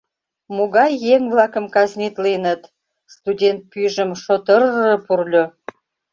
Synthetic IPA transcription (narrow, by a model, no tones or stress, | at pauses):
moɣɑjːeŋβlɑkəmkɑznʲit̪linət̪ | st̪udʲent̪̚pyʒəmʃot̪ərəpurlʲo